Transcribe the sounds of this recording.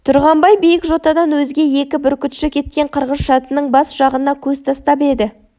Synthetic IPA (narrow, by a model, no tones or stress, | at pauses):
t̪ʰʊɾʁɑmbɑjbijɪkʒo̞t̪ɑd̪ɑnwɵzɡʲe̞je̞kʲɪbʏɾkʲʏt̪ʃɪkʲʰe̞t̪̚kʲe̞ɴqʰəɾʁəzʃɑt̪ənəɴbɑsʒ̥ɑʁənɑkʲʰɵzt̪ʰɑst̪ɑpe̞d̪ɪ